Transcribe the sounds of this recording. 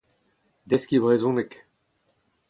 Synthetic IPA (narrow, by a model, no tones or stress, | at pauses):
d̪ɛskʲibʁezɔ̃nɛk